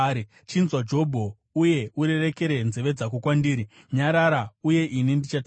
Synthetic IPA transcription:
t͡ʃinzwad͡ʒo̞bʱo̞ | uje̞uɾe̞re̞ke̞ɾe̞nze̞ʋe̞d͡zakukwandiːɾi | ɲaɾaɾauje̞ʔinindit͡ʃatː

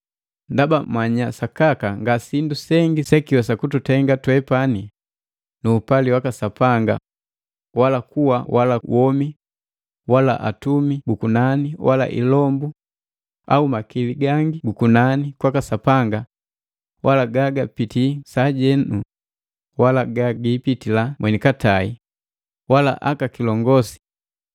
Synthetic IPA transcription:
ndabamaɲasakakaŋɡasindusɛŋɡisɛkiwasakututɛŋɡatwɛpani | nuːpaliwakasapaŋɡa̰ | walakuwawalawʔɔmi | wala̰ʔa̰tumiɡukunaniwʔala̰ʔḭlɔmbu | aumakiliɡaŋɡiɡukunanikwakasapaŋɡa | walaɡaɡapitisaɟɛnu | walaɡaɡipitilamwɛnikatai | wala̰ʔakakilɔŋɡɔsi̥

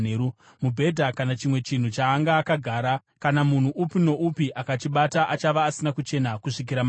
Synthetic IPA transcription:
eɾu | mubʱe̞dʱakanat͡ʃimwe̞t͡ʃin̤ut͡ʃaːŋɡaːkaɡʱaːɾa | kanamun̤uʔupino̞ʔupiʔakat͡ʃiɓataʔat͡ʃaʋaːsinakut͡ʃe̞nakuʂik̬iɾam

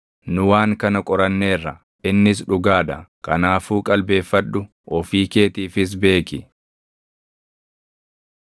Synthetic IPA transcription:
nʊwaːŋkɐnɐkʼɔɾɐnːe̞ːrːɐ | ɪnːɪs̬ᶑʊɡaːd̪ɐkɐnaːfuːkʼɐlbe̞ːfːɐᶑʊ | ʔɔfiːke̞ːt̪iːfɪs̬be̞ːkɪ

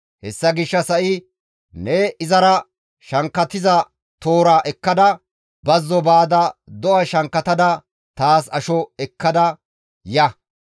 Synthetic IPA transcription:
hɛsːɐɡɪʃːɐsɐʔɪ | nɛɪzɐɾɐ | ʃɐŋkːɐt̪ɪzɐ | t̪oːɾaːʔɛkːɐd̪ɐ | bɐzːɔbaːd̪ɐd̪ɔʔɐʃɐŋkːɐt̪ɐd̪ɐ | t̪aːs̬ɐʃɔɛkːɐd̪ɐ | jɐ

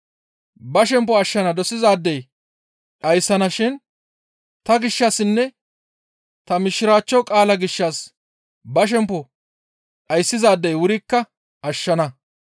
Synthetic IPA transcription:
bɐʃ̬ɛmpːɔɐʃːɐnɐd̪ɔsɪzaːd̪ːɛj | ᶑɐjsːɐnɐʃɪn | t̪ɐɡɪʃːɐsɪnːɛ | t̪ɐmɪʃɪɾaːt͡ʃːɔwkʼaːlɐɡɪʃːɐs | bɐʃ̬ɛmpːɔ | ᶑɐjsːɪzaːd̪ːɛjwʊɾɪkːɐ | ɐʃːɐnɐ

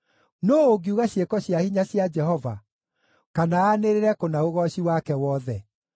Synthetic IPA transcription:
noːoɡiuɣaɕjekɔɕjahiɲaɕjad͡ʒɛhɔva̰ | kanaaneɾeɾɛkonaoɣɔɕiwakɛwɔðɛ

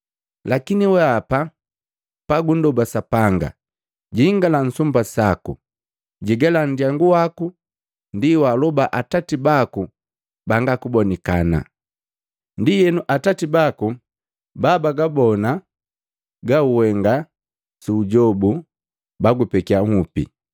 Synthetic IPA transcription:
lakiniwɛapa | paɡundɔbasapaŋɡa̰ | ɟiŋɡalan̩sumbasaku | ɟiɡɛlan̩diaŋɡuwaku | ndiwalɔbaʔatatibaku | baŋɡakubɔnikana̰ | ndijɛnuʔatatibaku | baːbaɡabɔna | ɡauwɛŋɡa | suːɟɔbu | baɡupɛkiaŋupḭ

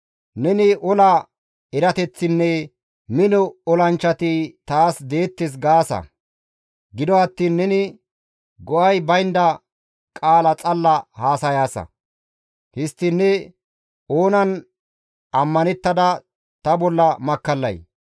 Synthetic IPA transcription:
nɛnɪʔɔlɐ | ɛɾɐt̪ɛt͡sːɪnːɛ | mɪnɔɔlɐnt͡ʃːɐt̪it̪aːsd̪e̞ːt̪ːɪs̬ɡaːsɐ̰ | ɡɪd̪ɔɐt̪ːiːnːɛnɪ | ɡɔʔɐjbɐjnd̪ɐ | kʼaːlɐt͡sʼɐlːɐhaːsɐjaːsɐ̰ | hɪst̪ːɪnːɛ | oːnɐn | ɐmːɐnɛt̪ːɐd̪ɐ | t̪ɐbɔlːɐmɐkːɐlːɐ̰j

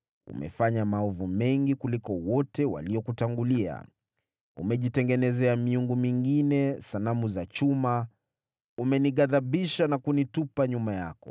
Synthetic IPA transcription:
ṵmɛ̰faɲamaɔvumɛŋɡikulikɔwɔtɛwa̰liɔkutaŋɡulia̰ | ṵmɛʄitɛŋɡɛnɛzɛamiuŋɡumiŋɡinɛsanamuzat͡ʃuma | umɛniɠaðaɓiʃanakunitupaɲumaja̰kɔ̰

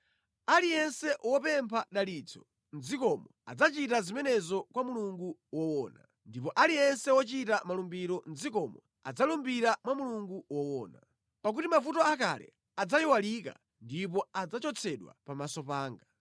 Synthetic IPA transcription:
alijɛnsɛwɔpɛmpʰaɗalit͡sʰɔ | nd͡zikɔmɔa̰d͡zat͡ʃitazimɛnɛzɔkwamuluŋɡuwɔwɔːna̰ | ndipɔʔalijɛnsɛwɔt͡ʃitamalumbiɾɔnd͡zikɔmɔ | a̰d͡zalumbiɾamwamuluŋɡuwɔwɔːna | pak̬utimafutɔak̬a̰lɛ̰ | ad͡zajiwalika̰ | ndipɔad͡zat͡ʃɔt͡sʰɛɗwa̰pamasɔpaːŋɡa

